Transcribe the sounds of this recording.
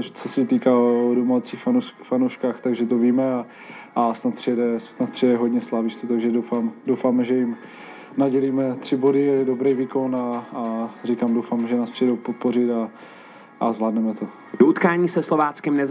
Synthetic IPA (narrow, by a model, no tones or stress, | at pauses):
t͡sosɛt̪iːkaːodomat͡siːxfofanowʃkaːxt̪aɡʒɛt̪oviːmɛa | asnat̪̚prɪjɛdɛsnat̪̚pr̥ijɛdɛɦodɲɛslaːvɪʃt̪ut̪aɡʒɛdowfaːmdowfaːmɛʒɛjɪm | naɟɛliːmɛt̪r̝̥ɪbo̞dɪdo̞bɾɛjviːko̞naː | rikaːmdowfaːmɛʒɛnaːsprɪjɛdowpot̪̚porɪt̪a | ʔazvlaːdnɛmɛt̪o | d̥out̪kaːɲiːsɛslovaːt͡skɛmnɛz